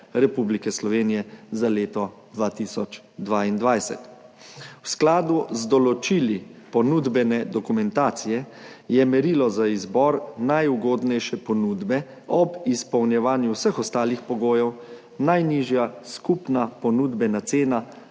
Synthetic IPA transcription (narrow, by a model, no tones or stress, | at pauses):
ɾɛpublikɛslɔʋeːnijɛzaleːt̪ɔ | d̪ʋaːt̪isɔt͡ʃ | d̪ʋaind̪ʋajsɛ̰t̪ | wsklaːd̪uzd̪ɔlɔt͡ʃiːlipɔnuːd̪bɛnɛd̪ɔkumɛnt̪aːt̪sijɛ | jɛmɛɾiːlɔzaizbɔɾnajuɡoːd̪nɛjʃɛpɔnuːd̪bɛ | ɔbispɔwnjɛʋaːnjuwsəxɔst̪aːlixpɔɡoːjɛw | najniʒjaskupnapɔnud̪bɛnat̪seːna